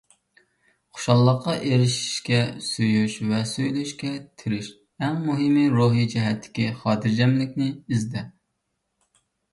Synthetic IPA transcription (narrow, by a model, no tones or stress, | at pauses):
χo̥ʃɑlˠːəqːɑʔeɾɪʃi̥ʃkʲɛsujyʃvɛsujlyʃkʲɛt̪ʰɪɾɪʃ | ɛŋmuɦɪmiɾoɦid͡ʒɛɦɛt̪ʰːɪ̥kʲiχɑːt̪ʰɨɾd͡ʒɛmlɪkʲnɪizd̪ɛ